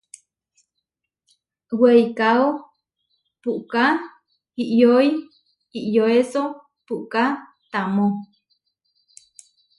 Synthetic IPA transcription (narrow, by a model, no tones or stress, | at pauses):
wejkao | puʔka | hiʔjoi | iʔjoeso | puʔka | t̪amõ